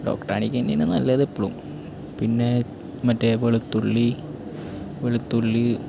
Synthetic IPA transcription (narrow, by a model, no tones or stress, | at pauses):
ɖo̰ːkʈa̰ːɳikʲːɐndenːɨnɐ̰lːɐðepːoɭṵm | pinːe | mɐtːeʋeɭut̪ːuɭːi | ʋeɭut̪ːuɭːi